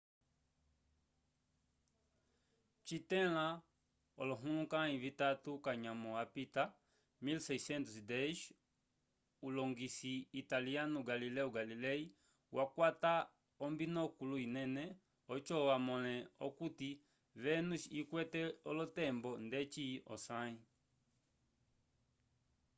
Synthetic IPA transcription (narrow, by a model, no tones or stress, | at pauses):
t͡ʃitɛla | ɔlɔɦulũkaĩvitatukaɲamɔapita | milsɛsɛntusdɛʃ | ulɔŋɡisiːtalianuɡalilɛuɡalilɛi | wʔakwata | ɔmbinɔkuluinɛnɛ | ɔt͡ʃɔwamɔlɛɔkuti | βɛnuikwɛtɛɔlɔtɛmbɔndɛt͡ʃiʔɔ̰sai